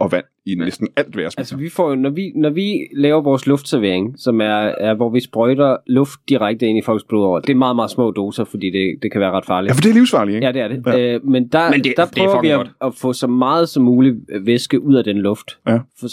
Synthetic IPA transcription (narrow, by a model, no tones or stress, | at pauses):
ɒ̽ʋæn̰ | inesd̥n̩æl̰d̥ʋæɐsælsəʋifɒ̰ːjo̝nɒʋinɒʋilɛːʊɐʋɒːslɔ̽fd̥sɛɐʋe̝ɐeŋsɒ̽mæɐʋɒʋisb̥ʁɔɪd̥ɐlɔ̽fd̥̚ːiʁaɡ̥̚d̥əe̝n̰ifɒ̽l̰̥sb̥lo̝ðˠɒ̰ɐd̥e̝æɐmɑ̈ːð̩ˠmɑ̈ːð̩ˠsmɔ̰̽ːd̥o̝ːsɐfɒd̥ḭːd̥e̝d̥e̝kʰæʋæːɐʁɑ̈d̥fɑ̈ːlifd̥eɐliʊsfɑ̈ːlijæd̥e̝æɐɾ̥e̝mend̥ɑd̥æ̈pʰʁœːʊʋi̥ɒ̽fɔ̰̽ːsɒ̽mːɑ̈ːð̞̩ˠsɒ̽mːuːliʋesɡ̥əʔuð̰ˠæd̥enlɔ̽fd̥